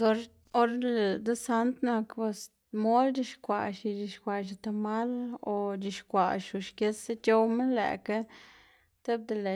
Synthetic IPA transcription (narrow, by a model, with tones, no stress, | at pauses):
zo˧ɾ | o˦ɾle˨d̪e˦sa˧˦nt̪na˧kbe˧s | mo˦ld͡ʒi˧ʃkʷa̰˨ʃi˧d͡ʒi˧ʃkʷa˨ʃ̬i˧t̪a˧ma˦lo˧d͡ʒi˧ʃkʷa˨ʃu˨ʃke˧˦se˧t͡ʃo˧wme˦lḛ˨ka˦ | t̪e˦b̚d̪e˧le˨